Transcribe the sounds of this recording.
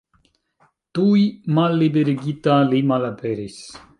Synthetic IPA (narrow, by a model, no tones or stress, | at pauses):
t̪uimalːibeɾiɡit̪alimalapeɾis